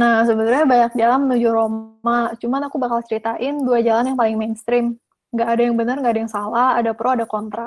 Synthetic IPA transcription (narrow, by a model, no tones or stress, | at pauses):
nahsəbənarɲabaɲak̚d͡ʒalanmənud͡ʒuromat͡ʃumanakubakalt͡ʃəɾit̪aʔɪnduad͡ʒalanjaŋpalɪŋmenst̪ɾɪm | ŋɡaʔːdajaŋbənərŋɡaːdajaŋsalaadapɾoadakɔnt̪ɾa